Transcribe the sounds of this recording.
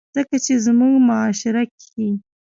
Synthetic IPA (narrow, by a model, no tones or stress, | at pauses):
z̥əkat͡ʃezmuɡmʊɑʃɪɾakʰi